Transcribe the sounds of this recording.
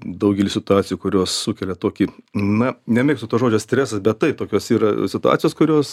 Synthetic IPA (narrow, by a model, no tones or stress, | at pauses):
d̪ɐʊɡʲɛlʲɪsʲɪt̪ʊɑːt͡sʲɪjuːkʊɾʲoːssukʲɛlʲɛt̪oːkʲinɐnʲɛmʲeːkst̪ʊt̪oːsʒoːd͡ʒʲoːssʲt̪ʲɾʲæːsɐsbʲɛt̪tɐɪp̚t̪oːkʲoːsiːɾɐsʲɪt̪ʊɑ̰ːt͡sʲɪjoːskʊɾʲoːs